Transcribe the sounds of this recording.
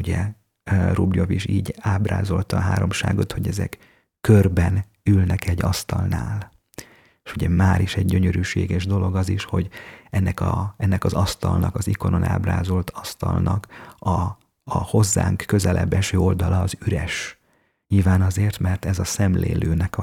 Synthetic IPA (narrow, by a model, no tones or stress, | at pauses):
uɟɛ | rubjoviʃiːɟaːbra̰ːzo̞lt̪ɒɦa̰ːɾo̞mʃaːɡo̞t̪ho̞ɟɛzɛ̰kː | ørbɛn | ylnɛkɛɟːɒst̪ɒlnaːl | eʃuɟɛmaːɾiʃɛɟɟø̞ɲøɾyːʃḛːɡɛʒd̪o̞lo̞ɡɒziʃho̞ɟɛnːɛkɒɛnːɛkɒzɒst̪ɒlnɒkɒziko̞no̞na̰ːbraːzo̞lt̪ʰɒst̪ɒ̰lnɒkɒː | ho̞zːa̰ːŋkːø̞zɛlʔɛ̰bːɛʃøːo̞ld̪ɒlɒːzyɾɛʃ | ɲilvaːnɒzeːrt̪mɛrt̪ɛzɒsɛmlḛːløːnɛkɒ